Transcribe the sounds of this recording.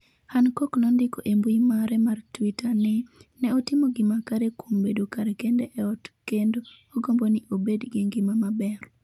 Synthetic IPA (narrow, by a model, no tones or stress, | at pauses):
hankoknɔndɪkoʔembuimaɾɛmartwitanɪnɛɔtɪmoɡɪmakaɾekʰombedokaɾekendɛʔɛɔtkendoː | ɡombonɪʔobedɡiŋɡimamabɛr